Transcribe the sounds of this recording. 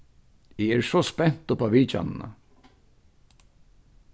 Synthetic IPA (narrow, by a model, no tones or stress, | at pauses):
ɪɛːɾsɔspɛn̥t̪ʊpaʋiːt͡ʃa̰nɪna̰